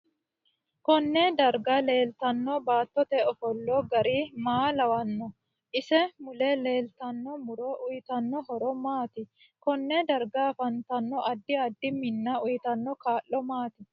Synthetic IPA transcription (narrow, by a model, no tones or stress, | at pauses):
kɔnːed̪ɐɾɡɐle̞ːlt̪ɐnːɔbaːt̪ːɔt̪ɛɔfɔlːɔɡɐɾimaːlɐwɐnːɔ | ʔɪsɛmʊlɛle̞ːlt̪ɐnːɔmʊɾɔʔʊjɪt̪ɐnːɔɦɔɾɔmaːt̪ɪ | kɔnːɛd̪ɐɾɡaːfɐnt̪ɐnːɔɐd̪ːɪɐd̪ːɪmɪnːɐʊjɪt̪ɐnːɔkaːʔːɔmaːt̪ɪ